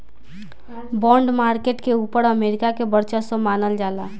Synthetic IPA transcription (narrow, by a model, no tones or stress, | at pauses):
bɔ̃ɳɖmaɾkeʈkeupəɾəmeɾikakebəɾt͡ʃəsə̃manəld͡ʒala